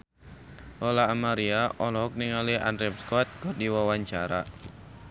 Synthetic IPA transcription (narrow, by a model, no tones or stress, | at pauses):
ʔɔlaːmaɾiaʔɔlɔɦɔk̚niŋalia̰ndɾɛpskɔt̪̚kɔrdiwawaɲt͡ʃaɾa̰